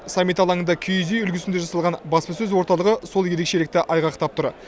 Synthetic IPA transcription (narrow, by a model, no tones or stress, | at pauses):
sɑmːijt̪ɑlˠɑŋənd̪ɑkʲʰyjzejʏlɡʲɪsɪnd̪e̞ʒɑsɑlˠʁɑnbɑspəsɵzwo̞ɾt̪ɑlˠəʁəso̞lˠje̞ɾe̞kʃe̞lɪk̚t̪ɪʔɑjʁɑqt̪ɑp̚t̪ʰʊɾ